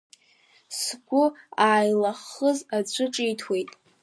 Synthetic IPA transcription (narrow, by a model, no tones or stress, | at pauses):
sɡʷʊaːjlaχəzat͡ɕʷʰʼɨʈ͡ʂʼijtʰwe̞jtʼ